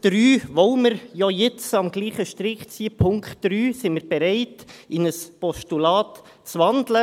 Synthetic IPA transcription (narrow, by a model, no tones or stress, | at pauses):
d̪̥ɾyːʋowmɪɾjɔjɪt͡sɑmɡliːχəʃt̪ɾɪkt͡siəpʰʊŋktdɾyːsimɪɾb̥ɛɾɛɪtɪnəspɔʃtulɑːt | t͡sʋɑndlə